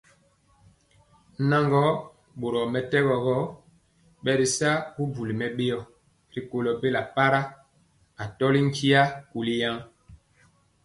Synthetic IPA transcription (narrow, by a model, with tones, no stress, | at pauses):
na˦ŋɡɔ˦ | ɓo˨ɾɔ˨mɛ˨tɛ˦ɣɔ˨ɣɔ˦ | ɓɛ˨ɾi˨sa˦ku˦b͡vu˨li˨mɛ˨ɓe˦ɔ˨ | ɾi˨ko˨lɔ˨be˦la˨pa˦ɾa˦ | a˨tɔ˦li˦ŋ̩˦kʰi˦a˦ku˨li˦ja˦ŋ